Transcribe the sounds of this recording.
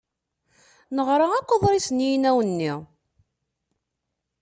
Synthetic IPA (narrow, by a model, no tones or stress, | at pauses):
nəʁɾˤaækʷːoðˤɾˤisnjinæwənːi